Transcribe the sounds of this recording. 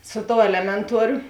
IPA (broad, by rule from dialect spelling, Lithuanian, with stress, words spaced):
ˈsʊ ˌtoːʊ ˈæːlʲɛmʲɛnˌtuɔrʲʊ